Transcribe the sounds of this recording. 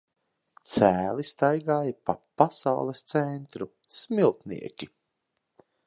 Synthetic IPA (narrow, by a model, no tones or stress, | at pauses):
t̪sæːlist̪ajɡaːjapapasa̰wlˠɛst̪sɛnt̪ɾu | smilˠt̪nḭɛkʲi